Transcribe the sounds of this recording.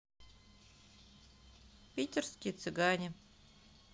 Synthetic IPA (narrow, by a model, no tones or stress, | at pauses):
pʲitʲɪrskʲijt̪sɨɡanʲɪ